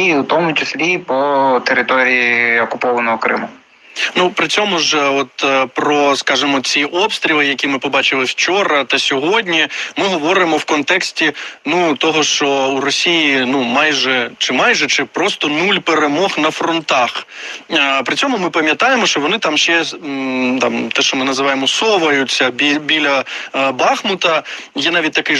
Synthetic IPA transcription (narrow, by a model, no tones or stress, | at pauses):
iut̪ɔmʊt͡ʃɪsʲlʲipɔt̪eɾɪt̪ɔɾʲijiiɔkʊpɔʋɐnɔɦɔkɾɪ̰mʊ | nupɾɪt͡sʲɔmʊʒɔt̪pɾɔskɑʒɪmɔt͡sʲiʔɔpst̪ɾʲilˠɪjɐkʲimɪpɔbɑt͡ʃɪlˠɪwt͡ʃɔɾɐt̪ɐsʲɔɦɔdʲnʲimɪɦɔʋɔɾɪmɔwkɔnt̪ɛksʲtʲinut̪ɔɦɔʃt͡ʃɔurɔsʲijinumɑjʒɛt͡ʃɪmɑjʒɛt͡ʃɪpɾɔst̪ɔnulʲpeɾemɔxnɐfɾɔnt̪ɑx | pɾɪt͡sʲɔmʊmɪpɐmʲjɐt̪ɑjemɔʃt͡ʃɔʋɔnɪt̪ɑmʃt͡ʃɛ | t̪ɑmt̪ɛʃt͡ʃɔmɪnɐzɪʋɑjemɔsɔʋɐjʊt͡sʲːɐbʲibʲilʲɐbɑxmʊt̪ɐjɛnɑʋʲit̚ʲt̪ɐkɪ